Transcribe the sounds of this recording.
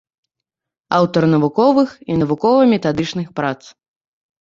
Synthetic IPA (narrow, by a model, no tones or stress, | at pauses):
awt̪ɐrnɐvukɔvɨxinɐvukɔvɐmʲɛt̪ad̪ɨt͡ʂnɨxpɾat̪s